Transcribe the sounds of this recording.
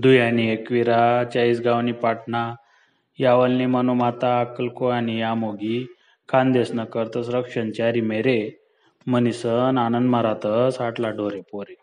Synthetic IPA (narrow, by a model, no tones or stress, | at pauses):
d̪ujaniekʋiɾat͡ɕaisɡaʋnipaʈna | jaʋəlnimənumat̪aːkəlkoanijamoɡi | kʰãnd̪esnəkəɾt̪əsɾəkʂənt͡ɕaɾimeɾe | mənisənanənd̪məɾat̪əsaʈlaɖoɾepoɾe